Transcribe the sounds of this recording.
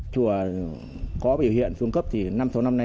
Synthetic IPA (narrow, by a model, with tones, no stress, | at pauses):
t͡ɕu˧˩ə | kɔ˨˦ɓḭ˨˧˩whḭ˧˨ənfɨ˧əŋkə˦˥p̚t̪ʰi˨˩na˧mso˨˦wna˧mna˧